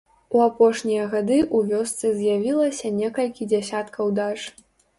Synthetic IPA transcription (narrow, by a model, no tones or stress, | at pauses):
uapɔʂnʲijɐɣad̪ɨʔuvʲɔst̪sɨzʲjavʲilˠɐsʲɐnʲɛkɐlʲkʲid͡zʲɛsʲat̪kʰɐwd̪aʂ